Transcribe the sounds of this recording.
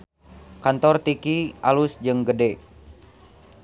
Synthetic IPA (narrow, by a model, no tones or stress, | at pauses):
kant̪ɔrt̪ikialusd͡ʒɨŋɡədɛ